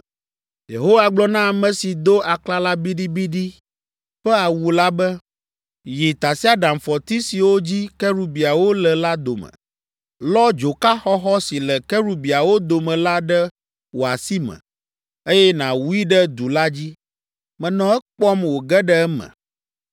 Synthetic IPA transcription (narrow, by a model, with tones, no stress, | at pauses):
je˨ɦo˦wa˨ɡ͡blɔ˦nã˦˨mɛ̃˨si˨d̪o˦ʔa˨kla˦la˦bi˦ɖi˦bi˦ɖi˦ | ɸɛ˦a˨wu˨la˦bɛ˦ | ji˨t̪a˨si˦a˦ɖa˨mfɔ˨t̪i˦si˨wo˦d͡ʑi˦kɛ˦ɾu˦bi˨a˨wo˦lɛ˨la˦d̪o˨mɛ̰̃˨ | lɔ˦d͡ʒo˨ka˦xɔ˦xɔ˦si˨lɛ˨kɛ˦ɾu˦bi˨a˨wo˦d̪o˨mɛ̃˨la˦ɖɛ˦ | wo˨a˨si˦mɛ̰̃˨ | e˦jɛ˦nã˨wu˦i˦ɖɛ˦d̪u˨la˦d͡ʑi˦ | mɛ̃˨nɔ̃˨ɛ˦k͡pɔ˦mwo˨ɡɛ˦ɖɛ˦ɛ˦mɛ̰̃˨